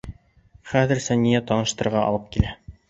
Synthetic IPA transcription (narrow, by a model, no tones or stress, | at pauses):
χæðɘ̆ɾsænijæt̪ɑnɤ̆ʃt̪ɤ̆ɾʁɑʔɑ̰lˠɤp̚kilæ